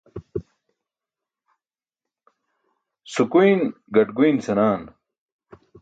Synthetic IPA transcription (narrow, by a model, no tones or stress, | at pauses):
sukujnɡɐʈɡuinsɐnaːn